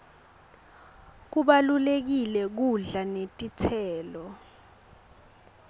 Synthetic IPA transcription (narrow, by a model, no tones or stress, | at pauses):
k̬uɓalulek̬ilɛk̬uɮanetʼit͡sʰɛːlɔ